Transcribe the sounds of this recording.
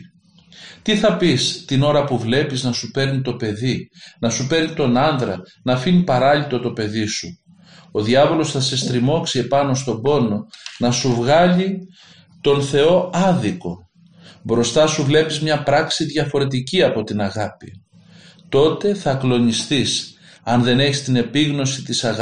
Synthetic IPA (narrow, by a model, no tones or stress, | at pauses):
t̪iθɐpist̪ino̞ɾɐpuvle̞piznɐsupe̞ɾnit̪o̞pe̞ðinɐsupe̞ɾnit̪o̞nɐnd̪ɾɐ̰ | nɐfinipɐɾɐʎit̪o̞t̪o̞pe̞ðisu | o̞ðiɐvo̞lo̞sθɐsest̪ɾimo̞ksie̞pɐno̞st̪o̞bo̞no̞nɐsuvɣɐʎi | t̪o̞nθe̞o̞ɐðiko̞ | bɾo̞st̪ɐsuvle̞pizmɲɐpɾɐksiðʝɐfo̞ɾe̞t̪̬iciɐpo̞t̪inɐɣɐpḭ | t̪o̞t̪e̞θɐklo̞nist̪is | ɐnðe̞ne̞çist̪ine̞piɣno̞sit̪isɐɣ